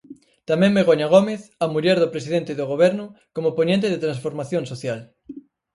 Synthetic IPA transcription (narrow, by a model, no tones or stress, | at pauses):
t̪amɛ̃ŋmeɣ̞oɲaɣ̞omeθamuʎɛɾðopɾesiðent̪ɪðoɣ̞oβ̞ɛɾnʊ | komoponẽnt̪̬eðet̪ɾansfoɾmaθjõŋsoθjal